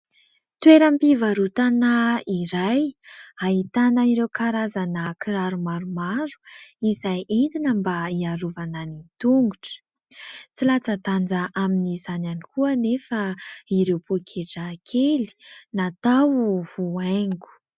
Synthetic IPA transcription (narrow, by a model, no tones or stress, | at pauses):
t̪weɾampivaɾut̪anaiɾajaɦit̪anəiɾewkʰaɾazanakʰiɾaɾumaɾumaɾu̥izajʔent̪inəmbaiaɾuvananit̪uŋɡuʈ͡ʂə̥ | t͡silat͡sat̪and͡zaʔaminizananikuənefəiɾewpokʰeʈ͡ʂakʰeli̥nat̪awuhuaŋɡu̥